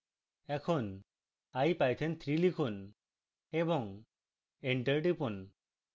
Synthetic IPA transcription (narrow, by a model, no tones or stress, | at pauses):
ɛkʰɔn | ajpajt̪ʰɛnt̪ʰɾilikʰun | ɛbɔŋ | eɳʈəɾʈipun